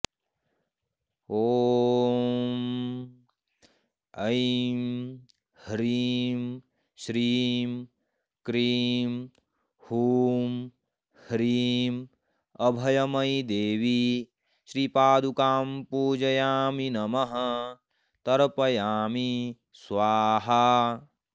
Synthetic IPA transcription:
oː | m | ɐjm | hɾiːm | ʃɾiːm | kɾiːm | huːm | hɾiːm | ɐbʱɐjɐmɐjd̪eːʋi | ʃɾiːpaːd̪ukaːmpuːd͡ʒɐjaːminɐmɐɦɐ | t̪ɐɾpɐjaːmi | sʋaːɦɐ

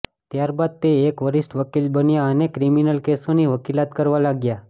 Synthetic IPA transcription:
t̪jaɾbad̪̚t̪eːkʋəɾisʈʋəkilbənjaənekɾiminəlkesoniʋəkilat̪kəɾʋalaɡja

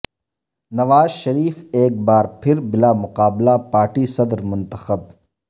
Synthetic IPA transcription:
nɐʋaːzʃɐɾiːfeːk̚baːɾpʰɪɾbɪlaːmʊqaːblapaːɾʈisɐd̪ɾmʊ̃nt̪əxəb̚

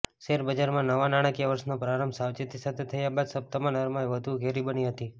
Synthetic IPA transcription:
ʃeɾbəd͡ʒaɾmãnəʋanaɽ̃akjaʋəɾsnopɾaɾəmbsaʋt͡ʃet̪isat̪ʰet̪ʰəjabad̪səp̚t̪əmãnəɾmãeʋəd̪ʱuɡʱeɾibəniɦət̪i

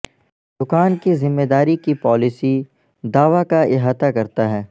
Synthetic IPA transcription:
d̪ʊkaːnkizɪmːed̪aːɾikipɔːlɪsi | d̪aːʋakaɪɦaːt̪akɐɾt̪aɦɛː

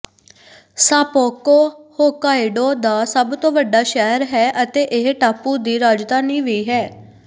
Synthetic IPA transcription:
saːpoːkoːhoːkaːɪɖoːd̪aːsəbt̪õːʋəɖːaːʃɛːɾɦɛːʔət̪eːʔɪɦʈaːpuːd̪iːɾaːd͡ʒd̪aːniːʋiːɦɛː

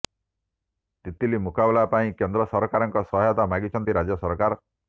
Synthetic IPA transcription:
t̪it̪ilimukabelapaĩkend̪ɾɔsɔɾkaɾɔŋkɔsɔɦɔjɔt̪amaɡit͡ʃʰɔnt̪iɾad͡ʒɔsɔɾkaɾ

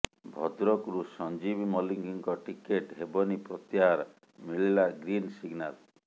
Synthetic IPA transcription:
bʱɔd̪ɾɔkɾusɔnd͡ʒibimɔliŋɡiŋkɔʈikeʈɦebɔnipɾɔt̪iɦaɾ | miɭilaɡɾinsiɡnal

